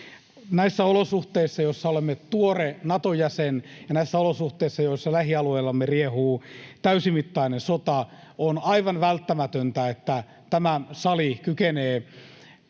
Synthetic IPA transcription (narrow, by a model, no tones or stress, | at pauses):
næisːæolosuht̪eisːɑjosːɑolemːet̪uorenɑt̪ojæsenjɑnæisːæolosuht̪eisːɑjoisːɑlæhiɑlueːlːɑmːeriehuːt̪æysimit̪ːɑinensot̪ɑ | onɑiʋɑnʋælt̪ːæmæt̪ønt̪æet̪ːæ | t̪æmæsɑlikykeneː